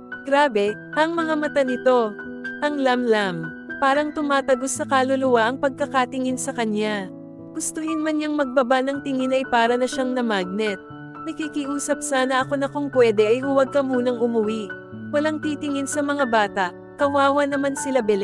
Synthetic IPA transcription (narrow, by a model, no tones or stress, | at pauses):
ɡ̥ɾaːbɛ | ʔɐŋmɐŋamɐt̪anɪt̪o̞ | ʔɐŋlamlam | paːɾɐŋt̪ʊmaːt̪ɐɡosːɐkalolʊwaʔɐŋpɐɡ̚kɐkat̪ɪŋɪnsɐkɐna | ɡ̥ʊst̪ʊhɪnmɐnjaŋmɐɡ̚bɐbanɐŋt̪ɪŋɪnɐjpaːɾɐnɐʃaŋnɐmaːɡ̚nɛt̪̚ | nɐkikiʔuːsɐp̚saːnɐʔɐko̞nɐkoŋpwɛːd̪ɛʔɐjhʊwɐɡ̚kɐmuːnɐŋʊmɐwiʔ | wɐlaŋt̪iːt̪ɪŋɪnsɐmɐŋabaːt̪ɐʔ | kɐwaːwɐnɐmansɪlabɛlɛ